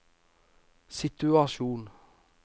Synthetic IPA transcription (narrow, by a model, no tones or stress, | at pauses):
sɪt̪ʉɑʃuːn